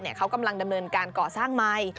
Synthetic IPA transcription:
ni˥˩əkʰa˦˥wka˧mla˧ŋda˧mnɤː˧nkaː˧nkɔː˨˩saː˥˩ŋma˧j

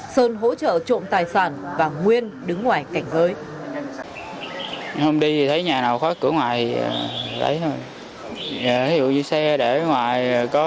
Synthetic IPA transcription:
səː˧nɦo̰˧˥t͡ɕə̰ː˧˨t͡ɕo̰˧˨ŋ͡mt̪aː˨˩jsaː˧˩nvaː˨˩ŋwi˧ənɗɨ˨˦ŋːwaː˨˩jka˧˩jŋ̟zəː˨˦j | hə˧wŋ͡mɗi˧t̪ʰi˨˩t̪ʰə˨˦jɲaː˨˩naː˨˩wxwaː˦˥kkɨ̰˧˥əŋwa̰ː˧˨jt̪ʰi˨˩ə˨˩lə̰˨˦jho˧j | aː˨˩t̪ʰi˨˦zṵ˧˨ɲɨ˧sɛ˧ɗe˧˩˦ŋwaː˧˨˩jkɔ˨˦

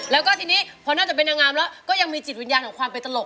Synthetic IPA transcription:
lɛː˦˥wkɔ˥˩t̪ʰiː˧niː˦˥pʰɔː˧naː˥˩t͡ɕa˨˩pe˧nʔaː˧ŋaː˧mlɛ˦˥wkɔː˥˩ja˧ŋmiː˧t͡ɕi˨˩t̪̚wi˦njaː˧nʰɔ˩˦ŋkwaː˧mpe˧nt̪a˧lo˨˩

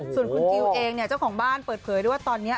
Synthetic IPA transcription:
su˨˩ənkʰu˧ki˧wʔeː˧ŋni˥˩ɐt͡ɕa˥˩wkʰɔː˩˦ŋbaː˥˩npɤː˨˩t̪̚pʰɤː˩˦jɾɯ˥˩waː˥˩t̪ɔː˧nːi˦˥ɐ

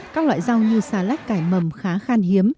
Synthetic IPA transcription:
kaː˦˥k̚lwa̰ː˧˨jza˧wɲɨ˧saː˧˩la˦˥k̟̚kaː˧˩jmə˨˩mxaː˨˦xaː˧nhi˨˦əm

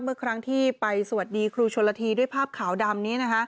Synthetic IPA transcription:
mɯ˥˩əkʰɾa˦˥ŋt̪ʰiː˥˩pa˧jsa˨˩a˩t̪̚diː˧kʰɾuː˧t͡ɕʰo˧lːa˧t̪ʰiː˧du˥˩əjpʰaː˥˩p̚kʰaː˩˦wda˧mni˦˥ɐna˦˥kʰa˦˥

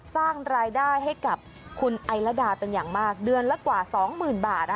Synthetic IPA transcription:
saː˥˩ŋɾaː˧jdaː˥˩jɦa˥˩jka˨˩p̚ | kʰu˧nʔa˧jla˦˥daː˧pe˧njaː˨˩ŋmaː˥˩k̚dɯ˧ənla˦˥kwaː˨˩sɔː˩˦ŋmɯː˨˩nbaː˨˩t̪̚

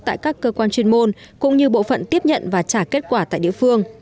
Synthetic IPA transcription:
t̪a̰ː˧˨jkaː˦˥kːəː˧kwaː˧nt͡ɕwi˧ənmo˧n | kʊ̰˧˥ŋ͡mɲɨ˧ɓo̰˧˨fə̰˧˨nt̪i˦˥əp̚ɲə̰˧˨nvaː˨˩t͡ɕaː˧˩ke˦˥t̚kwaː˧˩t̪a̰ː˧˨jɗḭ˧˨fɨ˧əŋ

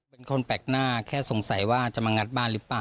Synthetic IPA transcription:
pe˧nkʰo˧npɛː˨˩k̚naː˥˩kʰɛː˥˩so˨˩˦ŋsa˩˦jwaː˥˩t͡ɕa˨˩maː˧ŋa˦˥t̪̚baː˥˩nɾɯː˦˥plaː˧˨˩

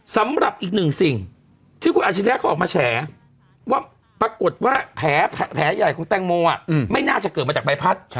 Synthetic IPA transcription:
sa˨˦mɾa˨˩p̚ʔiː˨˩k̚nɯ˨˩ŋsi˨˩ŋ | t̪ʰiː˥˩kʰu˧ʔaː˨˩t̚t͡ɕa˧˩˧ɛ˦˥kʰɔː˧˨˩maː˧t͡ɕʰɛː˩˦ | waː˥˩ | pɾa˧ko˨˩t̪̚waː˥˩pʰɛː˩˦pʰɛː˨˦ja˨˩jkʰo˧ŋt̪ɛː˧ŋmoː˧a˨˩ma˥˩jnaː˥˩t͡ɕa˨˩ʔkɤː˨˩t̪ma˧t͡ɕa˨˩ba˧˦jpʰa˦˥˩t̪̚

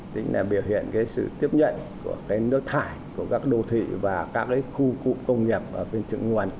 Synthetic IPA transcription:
t̪ï˨˦ŋ̟laː˨˩ɓi˧˩əwhḭ˧˨ənkaː˨˦jsɨ̰˧˨t̪i˦˥əp̚ɲə̰˧˨nku˧˩əkaː˨˦jnɨ˦˥ək̚t̪ʰaː˧˩jku˧˩əkaː˦˥k̚ɗo˧t̪ʰḭ˧˨vaː˨˩kaː˦˥k̚kaː˨˦jxu˧kṵ˧˩kə˧wŋ͡mŋi˨˩əp̚ʔəː˧˩e˧nt͡ɕɨ̰˧˨ŋŋu˨˩ən

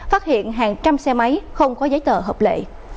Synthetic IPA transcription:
faː˦˥t̚hḭ˧˨ənɦaː˨˩ŋt͡ɕa˧msɛ˧ma˨˦jxə˧wŋ͡mkɔ˨˦zə˨˦jt̪əː˧˩ɦəː˨˩p̚lḛ˧˨

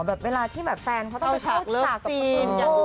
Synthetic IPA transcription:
bɛː˨˩p̚weː˧laː˧t̪ʰiː˥˩bɛː˨˩p̚fɛː˧nkʰa˦˥t̪ɔ˥˧˥a˧˥t̪ːlɤː˥˩aː˨˩k̚a˨˩iː˧na˧˩

